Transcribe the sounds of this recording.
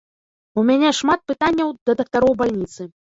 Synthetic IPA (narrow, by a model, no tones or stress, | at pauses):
umʲanʲɛʂmat̪̚pɨt̪anʲːɐwd̪̥ɐd̪ɐk̚t̪aɾɔwbalʲnʲit̪sɨ